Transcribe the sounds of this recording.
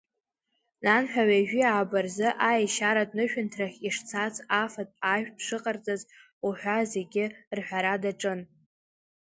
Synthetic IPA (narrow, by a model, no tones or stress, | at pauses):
nanħᶣaɥaʒᶣiaːbarzɨʔajʃaɾadnɨʃᶣʊntʰraχʲiʂt͡sʰat͡sʰʼafatʼaʒᶣpʰʂɨqʼart͡sʼaz | uħʷᶣaze̞ɡʲɪrħʷᶣaɾadaʈ͡ʂʼɨn